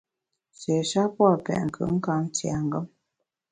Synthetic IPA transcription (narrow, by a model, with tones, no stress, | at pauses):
se˨ʃa˦pwa˦˨pɛ̰˨ʔŋ̩˨kʰɯ̰˨ŋ̩˦ka˦ŋ˦t͡sja˨ŋ˨ɡɔ˦m